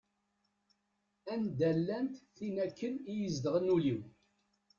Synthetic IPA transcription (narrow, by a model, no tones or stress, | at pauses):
ænd̪ælːænt̪θinækːənijəzd̪əʁənuliw